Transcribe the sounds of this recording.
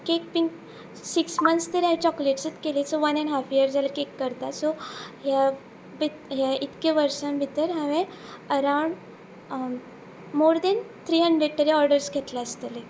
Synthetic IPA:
kek̚piŋk | siksmənst̪əɾaɦit͡ɕɔkleʈsət̪kelesɔʋənɛ̃ɳɦafijəɾd͡zaləkekːəɾt̪at̪sɔɦja | bitɦjait̪keʋəɾsãmbʱit̪əɾɦaʋẽ | əɾawɳɖ | moɾd̪ɛnt̪ʰɾiːɦəɳɖɾeɖ̚t̪əɾiɔɾɖəɾskʰet̪laəst̪əle

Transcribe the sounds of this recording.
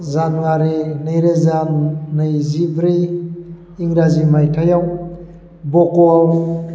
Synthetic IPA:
zanɡaɾenɯjɾezanːɯjzibɾi | iŋɾazimajtʰajaw | bɔkɔaw

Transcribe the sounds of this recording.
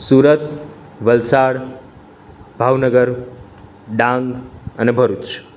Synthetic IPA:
suɾət̪ | ʋəlsaɽ | bʱaʋnəɡəɾ | ɖãŋɡənebʱəɾut͡ʃ

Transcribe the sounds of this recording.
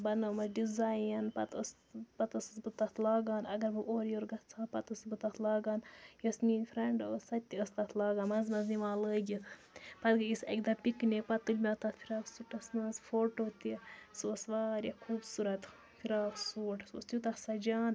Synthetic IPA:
bɐnɐmɐzɖizaːjɐnpɐt̪ɐs | pɐt̪ɐssbɨt̪ɐt̪ʰlaːɡaːnɐɡɐɾbɨʔoːɾjoɾɡɐt̪t͡sʰaːpɐt̪əsbɨt̪ɐt̪ʰlaːɡaːnjɐsniːnʲfʲɾɛɳɖsɐt̪ːiəst̪ɐt̪ʰlaːɡaːnmɐzmɐzniʋaːləːɡʲit̪ʰ | pɐt̪ɡɨisɐ̰kd̪ɐpiknʲekpɐt̪ːɨlʲmʲɐt̪ɐt̪fʰiɾaːksuʈɐsnɐːzfoːʈoːt̪isoːsʋaːɾʲjɐkʰuːbsuɾɐt̪ | fʰiɾaːfsuːʈso̰st̪jut̪ɐksɐd͡ʒaːn

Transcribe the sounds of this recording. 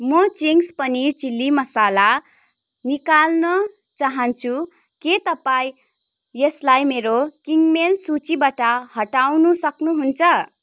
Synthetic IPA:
mʌt͡siŋspʌnit͡silːimʌsala | nikalnʌ | t͡saɦʌnt͡sʰu | ket̪ʌpaĩ | jeslajmeɾokiŋɡmelsut͡sibaʈahʌʈawnusʌknuɦunt͡sʰʌ

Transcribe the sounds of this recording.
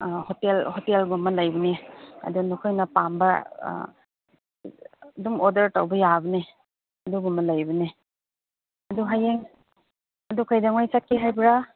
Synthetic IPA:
hotelhotelɡumɐlajbɐneɐ̰dunukʰɔjnɐpambɐ̰ | dumɔdɐɾtawbɐjabɐne | ɐduɡumɐlajbɯne | ɐduɦajeŋ | ɐdukʰajdaŋwajsakːiɦajbɾa

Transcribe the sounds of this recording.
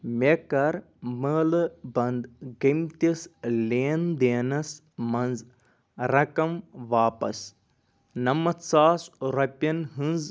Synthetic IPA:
mekɐɾ | məːlɨbɐnd̪ɡɐmt̪ʲisleːnd̪eːnɐs | mɐnz | ɾɐkɐmʋaːpɐ̰s | nɐmɐt̪saːsɾɐpʲɐnɦɨnz

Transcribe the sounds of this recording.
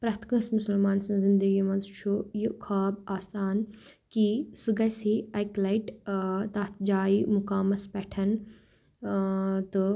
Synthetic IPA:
pɾɐt̪kɐ̃smusɐlmaːnsɐ̃zɪnd̪əɡimɐ̃nzt͡ʃʰujukʰaːbaːsaːn | kisɨɡɐsiɐjklɐiʈt̪ɐt̪ʰd͡ʒaːimukaːmɐspɛʈʰɐn | t̪ɨ

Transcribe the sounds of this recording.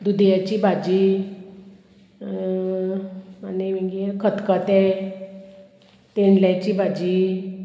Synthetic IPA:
d̪ud̪jat͡ɕibʱad͡ʑi | animiɡkʰət̪kət̪ɛ | t̪eɳljat͡ɕibʱad͡ʑi

